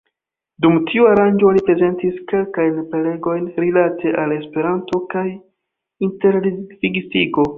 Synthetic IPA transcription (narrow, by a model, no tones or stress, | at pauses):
dumtʰiuaɾand͡ʒo̞lipɾe̞ze̞ntiske̞lkajnpele̞ɡo̞jnɾilatʰe̞ʔale̞spe̞ɾanto̞kaj | inte̞ɾviɡsiɡo̞